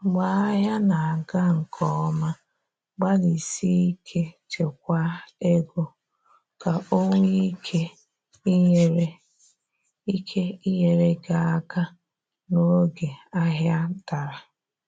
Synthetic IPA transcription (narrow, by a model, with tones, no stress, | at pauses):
ɡ͡ba˨a˦ɦja˦na˨a˨ɡa˦ŋ̩˨kʰɔ˨ɔ˦ma˦ | ɡ͡ba˦li˨si˦i˦kʰe˦t͡ʃe˨k̚ʷa˦e˦ɡo˦ | ka˨ʔo˦ŋʷe˦i˦kʰe˦ | ɾe˦ | i˦kʰe˦i˦ɦe˨ɾe˦ɡa˨a˦ɡa˦ | no˦ɡe˨a˦ɦja˦ta˨ɾa˨